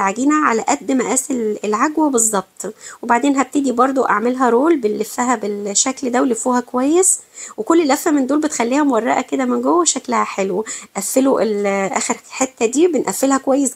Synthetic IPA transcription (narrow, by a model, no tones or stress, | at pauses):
ʕaɡiːnæʕa̰læʔæd̪ːmæʔæːselelʕaɡwæbezˤːɑb̥̚t̪ˤwebaʕd̪eːnɦæb̚t̪ed̪ibɑɾˤd̪ˤoʔa̰ʕmelɦæɾoːlbelːefːæɦæbelʃækld̪æwelifuːhækowæjːeswekolːelʔæfːæmend̪oːlbet̪xælːiːhæmowɑrˤːɑʔæked̪æmenɡowːæʃæklæhæħelwʔæfːeloʔelʔæ̰ːxeɾħet̪ːæd̪iːbenʔæfːelhækowæjːes